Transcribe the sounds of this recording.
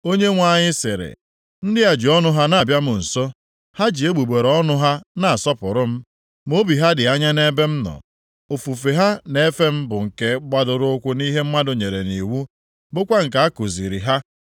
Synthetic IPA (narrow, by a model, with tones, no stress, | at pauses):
o˦ɲe˦ŋʷa˨ɲɪ˦sɪ̰˨ɾɪ̰˨ | n̩˦dɪ˦a˨d͡ʒi˨ɔ˦nʊ˦ɦa˦na˨bja˦mʊ˨n̩˨so˦ | ha˦d͡ʒi˨e˦ɡ͡bu˨ɡ͡be˨ɾɔ˦nʊ˦ɦa˦na˨a˨sɔ˦pʊ˨ɾʊ˦m̩˦ | mo˦bi˨ɦa˦dɪ˨a˦ɲa˦ne˦be˦m̩˦nɔ̰˨ | o˨fu˨fe˨ɦa˦ne˦fe˦m̩˦bʊ˨ŋ̩˨ke˦ɡ͡ba˦dʊ˨ɾʊ˦ʊ˦kʷʊ˦ni˦ɦe˦m̩˦ma˦dʊ˨ɲe˨ɾe˨ni˨wu˦ | bʊ˦kʷa˦ŋ̩˨k̬a˨a˦ku˨zḭ˨ɾi˨ɦa˦